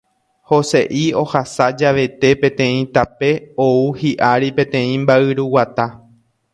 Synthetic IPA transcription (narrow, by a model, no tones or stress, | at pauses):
ho̞se̞ʔio̞hasad͡ʒaʋe̞t̪e̞pẽ̞t̪ẽ̞ĩt̪ape̞ouhiʔaɾipẽ̞t̪ẽ̞ĩmbaɨɾuwat̪a